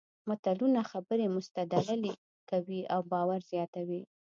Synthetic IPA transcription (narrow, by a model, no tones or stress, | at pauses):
mat̪alunaxabəɾemʊst̪ad̪aləle | kawiawbɑwaɾzjɑt̪awi